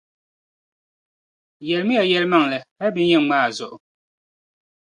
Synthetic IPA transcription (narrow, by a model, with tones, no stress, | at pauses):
jɛ˨lmi˦a˨jɛ˦lma˦˨ŋlɛ˨ɛ˦bi˨˦ɲɛ˦˨ŋ˦maː˦˨zɔ̰˨ʔ